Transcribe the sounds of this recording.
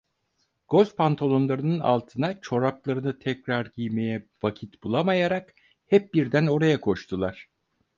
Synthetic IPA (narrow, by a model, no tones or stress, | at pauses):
ɡ̥o̞lʲfpʰant̪ʰolˠo̞nlˠaɾɯnɯna̰lˠt̪ʰɯnat͡ʃʰo̞ɾaplˠaɾɯnɯt̪ʰɛcɾaɾɟijmejɛvacʰit̪bulˠamajaɾak | hɛp̚biɾd̪æno̞ɾajakʰo̞ʃt̪ʰulˠaɾ̥